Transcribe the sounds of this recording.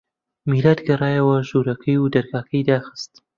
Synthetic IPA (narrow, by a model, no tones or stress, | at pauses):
milaːd̪ɡɐrˤɑːjɐwɐʒuːɾɐkʰɐjud̪ɐɾɡaːkʰɐjd̪aːxɨ̥st̪